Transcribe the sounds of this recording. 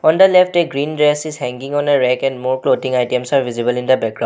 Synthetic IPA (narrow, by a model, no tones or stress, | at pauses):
ɔndəlɛfʈeɡɹindɹɛsishɛ̃ŋɡiŋɔneɹɛkɛ̃ndmɔɹklodĩŋajtiɛmsaɹvizibəlindəbɛkɡɹã